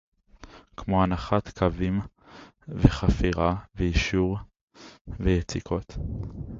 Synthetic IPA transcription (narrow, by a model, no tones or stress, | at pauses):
kmoanaχat̪kʰavim | veχafiʁavejiʃuʁ | vejet͡sikʰo̞t̪